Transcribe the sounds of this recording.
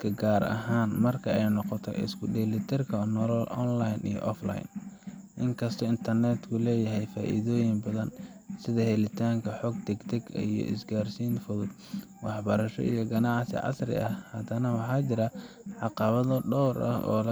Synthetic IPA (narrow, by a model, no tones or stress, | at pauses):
kʰɐɡaːɾɐ̰ɦaːnmɐrkʰɐɛjnɔqɔt̪ʰɔ̰ʔɪ̰skʰʊɖɛlɪt̪ʰɛrkʰɐnɔlɔlɔnlajnʔḭjɔ̰ʔɔfla̰jn | ʔɪŋkʰɐst̪ʰɔɪnt̪ʰɐrnɛt̪kʰʊlɛːjɐɦɛjfaːʔḭðoːjɪŋbɐðɐnsɪðɐɦɛlɪt̪ʰaːŋkʰɐħɔɡ̚t̪ɛɡt̪ʰɛɡijɔ̰ʔɪ̰sɡaːrsiːnfʊðʊd̪ | wɑħbɐɾɐʃɔ̰ʔijɞɡɐnɑʕsɪ̰ʕɑ̰srɪ̰ʔɐhhɐd̪ɐnɐwɑħɑːt͡ʃɪɾɐʕɑqɑβɐðɐɖɔwɾʔɐ̰hʔɔ̰ːlɐ